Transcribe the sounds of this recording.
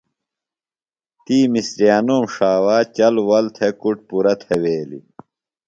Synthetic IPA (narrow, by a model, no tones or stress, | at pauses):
t̪iːmisɾijaːnoːmʂaːwaːt͡ɕɐlwɐlt̪ʰekuʈpuɾɐt̪ʰeweːlḭ